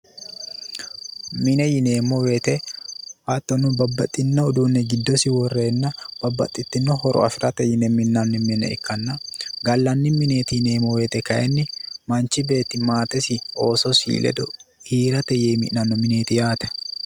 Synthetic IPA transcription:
mɪnɛjɪneːmɔweːt̪ɛhaːt̪ːɔnʊbɐbːɐt̪ʼːɪnːɐʊd̪uːnːɛɡɪd̪ːɔsɪwɔrːeːnːɐb̥ɐbːɐ̰t̪ʼːɪt̪ːɪnːɔhɔɾɔ̰ɐfɪɾʔɐt̪ɛjɪnɛmɪnːɐnːɪmɪnːɛ̰ɪ̰kːɐnːɐɡɐlːɐnːɪmɪneːt̪ɪneːmɔweːt̪ɛkɐʔɛnːɪmɐnt͡ʃɪbe̞ːt̪ːɪmaːt̪ɛsɪo̞ːsɔsḭːlʔɛ̰d̪ɔ | hiːɾɐt̪ɛjemɪ̰ʔnɐnːɔmɪneːt̪ɪjaːt̪ɐ̥

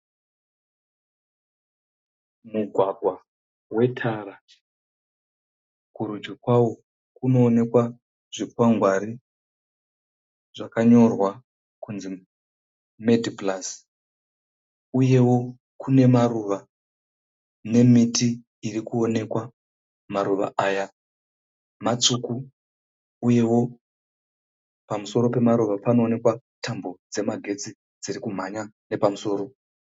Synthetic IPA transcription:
muɡʱwaɡʱwa | we̞tʰaɾa | kuɾud͡ʒikwawo | kuno̞ːne̞kwa | ʐ̥ipwaŋɡʱwaɾi | ʐ̥akaɲo̞rwa | kunzi | medʱiplas | uje̞wo̞ | kʰune̞maruʋa | ne̞mitʰiː | rikuo̞ne̞kwa | maɾuʋa̰aːja | mat͡suku | uje̞wo̞ | pamuso̞ɾo̞pe̞maɾuʋapano̞ːne̞kwa | tʰambo̞d͡ze̞maɡʱe̞t͡si | d͡ziɾikum̤aɲane̞pamuso̞ːɾo̞

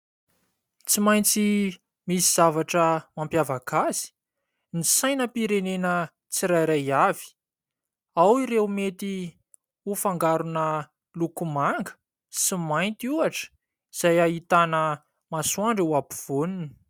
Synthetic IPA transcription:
t͡simaj̃nt͡si | misiz̥avaʈ͡ʂəmampjavakazi̥ | nisajnəpiɾenenə | t͡siɾajɾajavi̥ | awiɾewmet̪i | ufaŋɡaɾunə | lukumaŋɡə̥ | simajnt̪iuaʈ͡ʂə̥ | iz̥ajaɦit̪anə | masuaɳɖ͡ʐewapiv̥onini̥

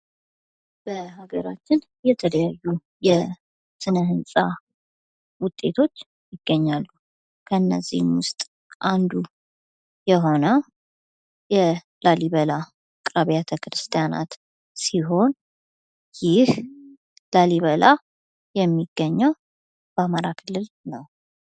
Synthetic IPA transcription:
b̥əhaɡəɾat͡ʃːɪn | jɛt̪ʰələjajːu | jɛ | sɨnəɦɨnsʼa | wʊt̪ʼːe̞t̪ʰo̞t͡ʃː | jɪɡ̥ːəɲːalːu | kʰəɨnːə̰zːḭhmwʊst̪ʼ | ʔand̪u | jɛɦo̞nə | jɛ | laliβəla | kʼɾaβijat̪ʰəkɾɨst̪ʰijana̰t̪ | siɦo̞n | jɪh | laliβəla | jɛmːiɡ̥ːəɲːaw | b̥əamaɾakʰɨlːɨl | nəw

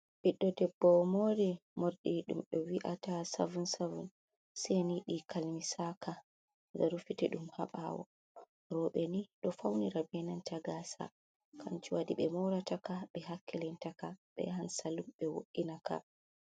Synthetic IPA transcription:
ɓiɗːɔdɛbːɔmoːɾimoɾɗiɗṵmɗɔwiʔatasa̰vunsavṵn | sɛniɗikʰalmisakʰa | ɡaɾufitɛɗumha̰ɓa̰wɔ̰ | ɾɔɓɛniɗɔfawniɾabɛnantaɡasa̰ | kʰant͡ʃiwadiɓɛmɔwɾatakaɓɛɦakːɛlɛntakaɓɛ̰hansalumɓɛwo̰ʔːinaka̰

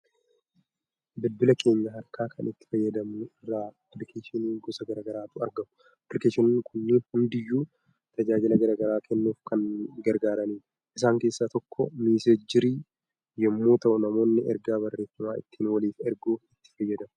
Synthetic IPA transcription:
bɪdbʊlɐke̞ːɲːɐɦɐɾkaːkʰɐnɪt̪ːɪ̥fɐjːɐd̪ɐmnʊɪrːaːplɪkʰeːʃɪniːɡɔsɐɡɐɾaːɡɐɾaːt̪ʊɐɾɡɐmʊ | plɪkeːʃɪnːkʰʊnːɪhʊnd̪ɪjːuː | t̪ɐd͡ʒaːd͡ʒɪlɐɡɐɾaːɡɐɾaːkʰɛnːuːfkɐnɡɐɾɡaːɾɐniː | ʔɪs̬aːŋke̞ːsːat̪ɔkːɔmiːsed͡ʒɪɾiː | jɛmːuːt̪ɐʔʊnɐmo̞ːnːɪɛɾɡaːβɐrːe̞ːfːɐmaːɪt̪ːiːnwɐliːfɛɾɡuːfɪt̪ːɪ̥fɐjːɐd̪ɐm

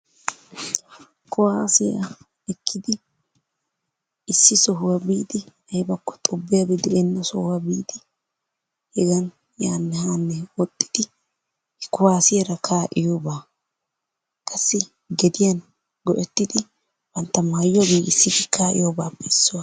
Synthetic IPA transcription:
kʊwaːsɪjɐ̰ | ɛkʰːɪd̪ɪ | sːɪsɔɦʊwɐbiːd̪ɪ | ɐjbɐkːɔ̥t̪ʼɔbːɛjɐbɪd̪ɛʔɛnːɐsɔhʊwɐbiːd̪ɪ | hɛɡɐn | jaːnːɛhaːnːɛwɔt̪ʼːɪ̥d̪̥ɪ | kʊwaːsɪjɛɾɐkʰaːʔɪjoːbaː | kʼɐsːɪ | ɡɛd̪ɪjɐn | ɡɔʔɛt̪ːɪd̪ɪ | b̥ɐnt̪ːɐmajːɔɡeːɡɪsːɪkɪkʰaːʔɪ̰joːbaːpːɛɪsːʊwa

